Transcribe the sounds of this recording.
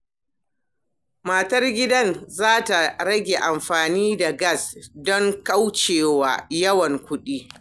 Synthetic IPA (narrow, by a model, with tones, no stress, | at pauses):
maː˨tɐ˦rɡʲɪ˦dɐ˦nzaː˦ta˨ɽɐ˦ɡʲe˨ʔa˨mɸaː˨niː˦da˨ɡɐ˦sdɔ˦ŋka˦wt͡ʃeː˨waː˨jɐ˦wɐ˨ŋkʷʊ˦ɗiː˦